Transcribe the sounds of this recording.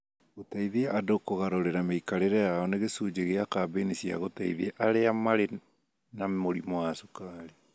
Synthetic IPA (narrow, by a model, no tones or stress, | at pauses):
ɣotaiðeʔadokoɣaɾoɾeɾameikaɾeɾɛjaɔneɣesuːd͡ʑeɣeakabenisia̰ɣotaḭðieʔaɾeamaɾe | namoɾimɔasukaɾe